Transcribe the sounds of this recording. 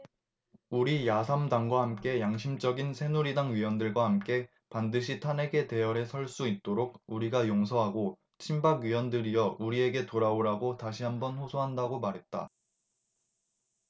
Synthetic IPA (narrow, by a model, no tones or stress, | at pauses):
uɾijasʰamdaŋɡwahamk͈e̞jaŋɕʰimd͡ʑʌɡinsʰe̞nuɾidaŋɥiwʌndɯɭɡwahamk͈e̞ | pandɯɕ̬ʰitʰane̞ɡe̞te̞jʌɾe̞sʰʌɭs͈uit̚t͈oɾoɡ̚uɾiɡajoŋs̬ʰʌɦaɡo | t͡ɕʰimbaɡɥiwʌndɯɾijʌuɾie̞ɡe̞toɾaoɾaɡotaɕʰiɦambʌnɸosʰoɦandaɡomaɾɦe̞t̚t͈a̰